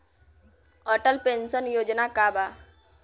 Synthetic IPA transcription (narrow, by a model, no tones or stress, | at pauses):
ɔʈəlpensənjoːd͡ʒnakaba